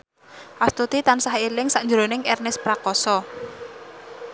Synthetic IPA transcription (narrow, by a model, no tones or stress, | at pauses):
ʔast̪ut̪it̪ansaɦilɪŋsaʔnd͡ʒɾonɪŋɛrnɪspɾakɔsɔ